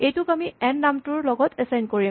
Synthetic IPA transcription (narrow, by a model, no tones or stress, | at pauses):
ejtʊkamiɛnːamtʊɹlɔɡɔtʰɛsajnkoɹi